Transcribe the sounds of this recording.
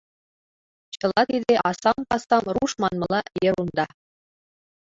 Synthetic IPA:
t͡ɕɤ̆lˠɑt̪id̪ʲeʔɑsɑmpɑsɑmruʂmɑnmɤ̆lˠɑjĕɾund̪ɑ

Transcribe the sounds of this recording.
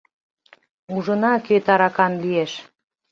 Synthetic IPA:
uʒənɑkøt̪ɑɾɑkɑnlieʃ

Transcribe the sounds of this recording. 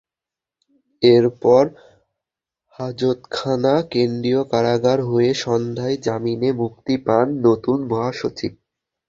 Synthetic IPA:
eɾpɔɾ | had͡ʑot̪kʰanakend̪ɾiokaɾaɡaɾɦoeʃɔnd̪ʱaed͡ʑaminemukt̪ipanːot̪unbʱɔɦaʃot͡ɕib̚

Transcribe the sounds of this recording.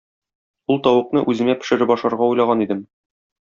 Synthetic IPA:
ulˠt̪ɒwɤ̆qnɤʔʉzɘ̆ŋæpɘ̥̆ʃɘ̆ɾɘpɒʃɑɾʁɑujlˠɑʁɑnid̪ɘm

